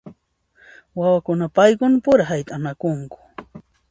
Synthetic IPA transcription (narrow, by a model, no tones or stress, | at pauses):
wawakʊnapajkʊnpʊɾaɦajt̪ʼanakʊŋkʊ̥